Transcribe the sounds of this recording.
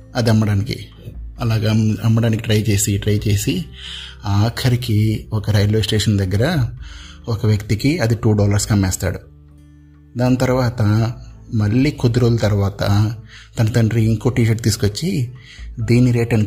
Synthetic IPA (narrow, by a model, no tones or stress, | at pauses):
ɐd̪iɐmːɐɽaːnikḭ | ɐlaːɡɐːɐmːɐɽaːnikiʈɾɐjt͡ʃe̞ːsiʈɾɐjt͡ʃe̞ːsi | aːkʰɐɾikiɔkɐɾɐjloːsʈeːʂɐnd̪ɐɡːɐɾɐ | ɔkɐʋjɐkt̪ikiɐd̪iʈuːɖɔːlɐɾskɐmːɛːst̪a̰ːɽu | d̪aːnɐt̪ɐɾuʋaːt̪ɐmɐɭːiːkud̪ɐɾoːlɐt̪ɐɾuʋaːt̪ɐt̪ɐnɐt̪ɐɳɖɾiiŋkoːʈiːʃ̬ɐʈ̚t̪iːsu̥kot͡ʃːi | d̪iːnːiɾeːʈɐni